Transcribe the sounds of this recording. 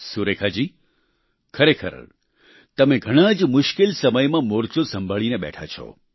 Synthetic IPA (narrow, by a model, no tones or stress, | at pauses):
suɾekʰad͡ʒiː | kʰəɾekʰə̰ɾ | t̪əmẽɡʱəɽ̃ad͡ʒmʊʃkɪlsəməjmãmoɾt͡ʃosəmbʱəɭineɓɛ̰ʈʰat͡ʃʰo̰